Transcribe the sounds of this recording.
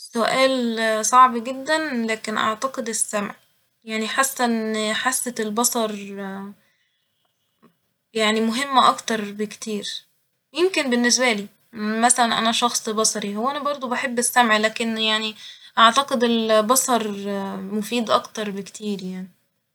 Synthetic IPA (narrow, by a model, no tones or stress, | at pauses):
soʔæːlsˤɑʕbɡed̪ːænlæːkenʔɑ̰ʕt̪ɑqed̪esːæmʕ | jaʕniħasːæħasːet̪elbɑsˤɑɾˤ | jaʕnimoɦemːʔɑkt̪ɑɾˤbekt̪iːɾ | jemkenbenːes̬bæliː | mæsælænʔæ̰næʃɑxsˤbɑsˤɑɾihowːæʔænæbɑɾˤd̪ˤobeħebːesːæmʕlæːkenjaʕniʔɑʕt̪ɑqed̪elbɑsˤɑɾˤmofiːd̪ʔɑ̰kt̪ɑɾˤbekt̪ʰiːɾjaʕni